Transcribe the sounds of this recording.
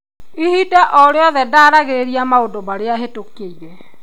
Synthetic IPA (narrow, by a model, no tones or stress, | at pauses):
ihidaʔɔɾeɔðɛdaːɾaɣeɾeɾiamaodomaɾeaɦetokeiɾɛ